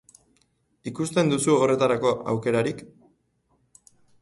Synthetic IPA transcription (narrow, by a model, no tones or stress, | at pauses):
ikust̪e̞nd̪usuore̞t̪aɾako̞ʔa̰wke̞ɾaɾik